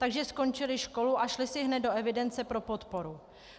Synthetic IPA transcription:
t̪aɡʒɛsko̞nt͡ʃɪlɪʃko̞luʔaʃlɪsɪɦnɛt̪̚do̞ɛvɪdɛnt͡sɛpɾo̞po̞t̪po̞ɾu

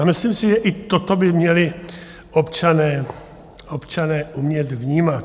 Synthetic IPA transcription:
amɪslimsɪʒɛʔɪt̪o̞t̪o̞bɪmɲɛlɪ | ʔopt͡ʃanɛː | opt͡ʃanɛːʔumɲɛt̪vɲiːmat̪

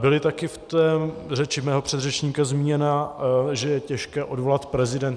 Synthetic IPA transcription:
bɪlɪt̪akɪft̪ɛːrɛt͡ʃɪmɛːɦopr̝̥ɛd̪rɛt͡ʃɲiːkazmiːɲɛnaʒɛjɛcɛʃkɛːʔo̞dvolat̪pɾɛzɪdɛnt̪

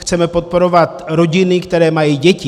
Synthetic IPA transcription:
xt͡sɛmɛpo̞t̪̚po̞ɾo̞vat̪ɾo̞ɟɪnɪkt̪ɛɾɛːmajiɟɛcɪ

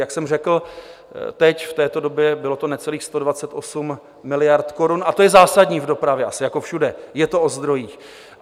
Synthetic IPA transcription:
jaksɛmrɛkl̩ | t̪ɛcft̪ɛːt̪o̞dobjɛbɪlo̞t̪o̞nɛt͡sɛliːxst̪o̞dvat͡sɛt̪ʔo̞sumː | ɪlɪjaɾt̪ko̞ɾunat̪o̞jɛzaːsadɲiːvdo̞pɾavjɛʔasɪjako̞fʃudɛjɛt̪o̞ʔozd̪ɾo̞jiːx

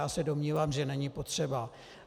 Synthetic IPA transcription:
aːsɛdo̞mɲiːvaːmʒɛnɛɲɪpo̞t̪r̝̥ɛba

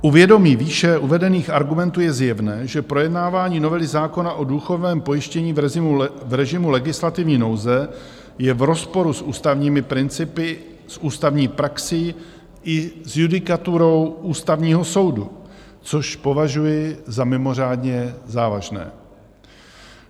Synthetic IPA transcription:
ʔuvjɛdo̞miːviːʃɛʔuvɛdɛniːxʔaɾɡumɛnt̪uːjɛzjɛvnɛːʒɛpɾo̞jɛdnaːvaːɲiːno̞vɛlɪzaːko̞naʔo̞duːxovnɛːmpo̞jɪʃcɛɲiːvɪuvɾɛʒɪmulɛɡɪslat̪ɪvɲiːno̞wzɛ | jɛvɾo̞spo̞ɾusʔuːst̪avɲiːmɪpɾɪnt͡sɪpɪ | sʔuːst̪avɲiːpɾaksɪ | ʔɪzjudɪkat̪uɾo̞wuːst̪avɲiːɦo̞so̞wdu | t͡so̞ʃpo̞vaʒujɪzamɪmo̞r̝aːdɲɛzaːva̰ʒnɛ̰ː

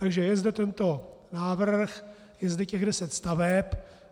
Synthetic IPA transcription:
t̪aɡʒɛjɛzdɛt̪ɛnt̪onaːvr̩x | jɛzdɛcɛɣdɛsɛt̪st̪avɛp

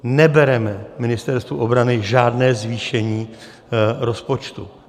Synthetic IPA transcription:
nɛbɛɾɛmɛmɪnɪst̪ɛɾst̪vṵʔobɾanɪʒaːdnɛːzviːʃɛɲiː | ɾo̞spo̞t͡ʃt̪ṵ

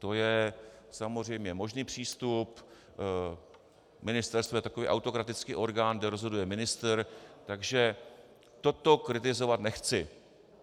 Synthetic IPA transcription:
t̪o̞jɛsamor̝ɛjmɲɛmo̞ʒniːpr̝̥iːst̪up | mɪnɪst̪ɛɾst̪vojɛt̪akovḭːʔa̰wt̪o̞kɾat̪ɪt͡skiːʔo̞ɾɡaːnɡdɛɾo̞zɦo̞dujɛmɪnɪst̪ɾt̪aɡʒɛ | t̪o̞t̪o̞kɾɪt̪ɪzo̞vat̪nɛxt͡sɪ

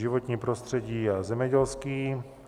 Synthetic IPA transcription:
ɪvot̪ɲiːpɾost̪r̥ɛɟiːazɛmɲɛɟɛlskiː

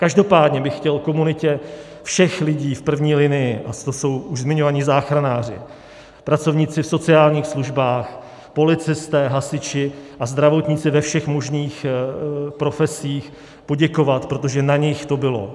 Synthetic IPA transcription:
kaʒdo̞paːd̪ɲɛbɪxːcɛlko̞munɪcɛ | fʃɛxlɪɟiːfpr̩vɲiːlɪnɪjɪʔat̪oso̞wuʒzmɪɲo̞vaɲɪzaːxɾanaːr̝ɪ̰ | pɾat͡so̞vɲɪt͡sɪfso̞t͡sɪaːlɲiːxsluʒbaːx | po̞lɪt͡sɪst̪ɛːɦasɪt͡ʃɪʔazd̪ɾavo̞t̪ɲɪt͡sɪvɛfʃɛxmo̞ʒniːx | pɾo̞fɛsiːx | po̞ɟɛko̞vat̪pɾot̪o̞ʒɛnaɲɪxt̪o̞bɪlo̞̰

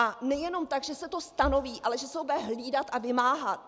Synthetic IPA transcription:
ʔanɛjɛno̞mt̪aɡʒɛsɛt̪o̞st̪ano̞viːʔalɛʒɛsɛobɛɦliːdat̪ʔavɪmaːɦat̪

